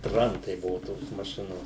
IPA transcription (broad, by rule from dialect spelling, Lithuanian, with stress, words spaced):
ˈtrɐntɐɪ ˈbʊʋʊ toːs mɐˈʃʲɪnoːs